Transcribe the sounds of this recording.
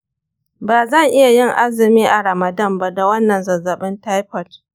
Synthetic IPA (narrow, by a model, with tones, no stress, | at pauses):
baː˨zɐ˦˨ŋʔɪ˦ja˨jɪ˦˨ŋʔa˦zɪ˨miː˦ʔa˨ɾɐ˨mɐ˨dɐ˦˨mba˦da˨wɐ˦nːɐ˨nzɐ˨zːɐ˨ɓɪ˦nta˦jɸɐ˨t